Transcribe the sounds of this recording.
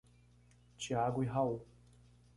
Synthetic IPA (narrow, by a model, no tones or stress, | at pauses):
t͡ʃiaɡʊiɦau